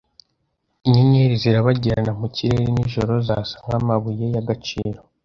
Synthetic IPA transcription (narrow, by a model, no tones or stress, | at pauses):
iɲiɲeɾiziɾaβaɟiɾanamuciɾe̞ɾiniʒoɾo̞zasḁŋ̥hamaβuje̞jaɡat͡ʃiːɾo